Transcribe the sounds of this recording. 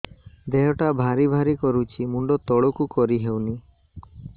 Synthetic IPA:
d̪eɦɔʈabʱaɾibʱaɾikɔɾut͡ʃʰimuɳɖɔt̪ɔɭɔkukɔɾiɦewni

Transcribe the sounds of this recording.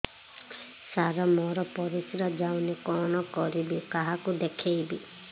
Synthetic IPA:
saɾɔmɔɾɔpɔɾisɾad͡ʒawnikɔnɔkɔɾibikaɦakud̪ekʰejbi

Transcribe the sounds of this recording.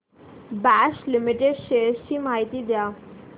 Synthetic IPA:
bæɕlimiʈeɖɕeɾɕiːmaɦit̪iːd̪ja

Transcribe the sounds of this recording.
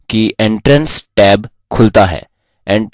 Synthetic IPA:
kiʔẽɳʈɾənsʈɛːb | kʰʊlt̪aɦɛ̰ː | ẽɳ

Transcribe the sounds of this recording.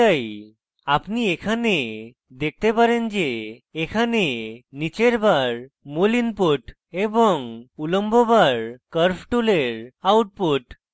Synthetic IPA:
aj | apniekʰane | d̪ek̚t̪epaɾend͡ʑeːkʰanenit͡ɕeɾbaɾ | molinpoʈ | ebɔŋuləmbɔbaɾkəɾfʰʈuleɾawʈ̚poʈ

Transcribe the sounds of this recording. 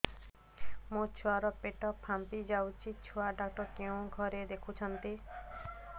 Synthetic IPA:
mũt͡ʃʰuaɾɔpeʈɔpʰːampid͡ʒawt͡ʃʰit͡ʃʰuaɖak̚ʈɔɾkeũɡʱɔɾed̪ekʰut͡ʃʰɔnt̪i

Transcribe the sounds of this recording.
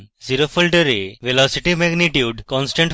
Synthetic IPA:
ziɾofəlɖəɾeʋelɔsiʈimɛɡniʈjuɖkɔ̃nsʈẽɳʈ

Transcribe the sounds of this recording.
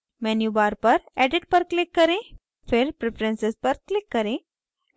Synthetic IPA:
mɛnjubaɾpəɾæɖiʈ̚pəɾklikːəɾẽ | feɾpɾefɾensespəɾklikːəɾẽ

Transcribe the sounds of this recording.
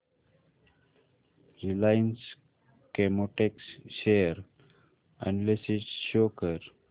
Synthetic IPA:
ɾilaɪns | kemoʈeksʃeəɾ | ə̰̃ɳlesiʈʃoːkəɾ

